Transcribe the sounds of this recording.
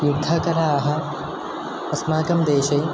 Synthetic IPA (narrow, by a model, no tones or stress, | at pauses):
jud̪ʱːɐkɐɾaɐɦɐ̆ | ɐsmaːɡɐmd̪eːʃɐj